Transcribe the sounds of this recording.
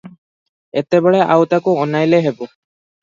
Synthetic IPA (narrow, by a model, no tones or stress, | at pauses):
et̪ebɔɭeʔa̰wt̪akuɔnajleɦebɔ